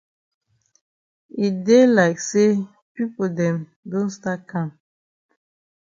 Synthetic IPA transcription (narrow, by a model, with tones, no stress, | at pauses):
i˨de˦la˨ɪkse˦ | pi˦po˨dɛ̃˨m | dõ˦nsta˦kʰã˦˨m